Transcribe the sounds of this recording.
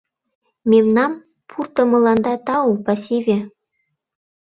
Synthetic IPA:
mʲemnɑm | pʰurt̪ɤ̆mɤ̆lˠɑnd̪ɑt̪ɑupɑsʲeβʲe

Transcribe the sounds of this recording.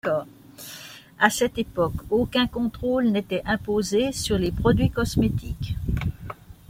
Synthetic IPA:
ɔ | asɛt̪epɔkokʲɛ̃kɔ̃t̪χolnet̪ɛʔɛ̃pozesyʁlepχɔd̪ɥikɔsmet̪ʰik

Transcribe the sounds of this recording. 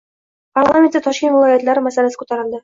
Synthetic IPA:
parlˠamʲent̪ːɪt̪ʰɒʃkʲent̪vɪlˠɑjat̪læɾɪmæsælæsɪ̥kʰu̥t̪ɑɾə̆lˠd̪ə

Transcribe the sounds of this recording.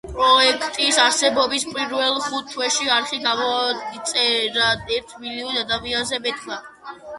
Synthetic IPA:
pʼɾɔɛkʰt̪ʼisaɾsɛbɔbispʼiɾvɛlˠχut̪ʰːwɛʃiaɾχiɡamɔit̪sʼɛɾaɛɾt̪ʰmiliɔnad̪amianzɛbɛt̪ʰna

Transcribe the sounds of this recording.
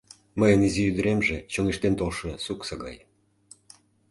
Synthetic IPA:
məjənizijyd̪ə̆ɾemʒet͡ɕoŋiʃt̪ent̪olʃɤ̆suksɑɣɑ̰j

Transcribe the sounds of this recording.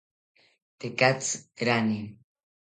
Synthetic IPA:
t̪ekat͡sɾani

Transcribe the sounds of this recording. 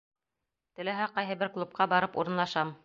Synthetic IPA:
t̪ɘ̆læɦæqɑjɦɤbɘɾklˠup̚qɑbɑɾɤpṵɾɤ̆nlˠɑʃɑm

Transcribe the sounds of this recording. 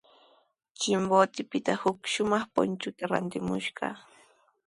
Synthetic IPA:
t͡ʃɪmbot̪ɪpɪt̪ahʊkʃʊmɑχpʊ̰nt͡ʃʊt̪aɾa̰nt̪ɪmʊ̰ʃɢɑ̰

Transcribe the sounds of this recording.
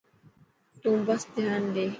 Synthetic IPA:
t̪ũːbɐsd̪ʱjaːnd̪eː

